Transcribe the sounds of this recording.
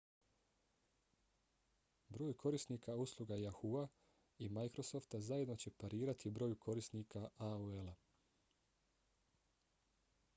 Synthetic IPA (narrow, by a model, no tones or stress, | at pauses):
bɾo̞ːjukʰo̞ɾisniːkauslˠuɡajaxua | imajkɾo̞so̞ft̪azaje̞d̪no̞t͡ɕe̞paɾiːɾat̪ibɾo̞ːjukʰo̞ɾisnikaʔauela